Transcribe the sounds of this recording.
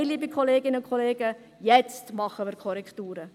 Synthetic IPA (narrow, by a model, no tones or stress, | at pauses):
ɪliːbikʰχoleːɡɪnəʊnkʰχoleːɡ̥ə | jɛt͡stmɑχəmɪːɾkʰɔɾɛktuːɾə